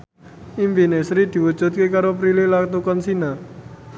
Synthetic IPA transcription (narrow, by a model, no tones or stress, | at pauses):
imfinesɾid̪̥i̤wu̥d͡ʒ̥ṳt̪̚kekaɾopɾililakt̪ukɔnsina